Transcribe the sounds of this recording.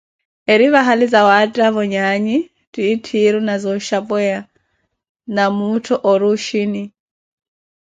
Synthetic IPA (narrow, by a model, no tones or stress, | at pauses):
eɾiβaɦalid͡zawatʼaβɔɲaɲi | tʼiːtʰiɾunazɔʃapʼɛa | namutʰɔʔɔɾuʃini